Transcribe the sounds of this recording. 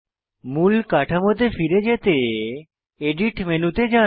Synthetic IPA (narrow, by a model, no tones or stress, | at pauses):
mulkaʈʰamot̪efiɾed͡ʑet̪e | eɖiʈmenut̪ed͡ʒa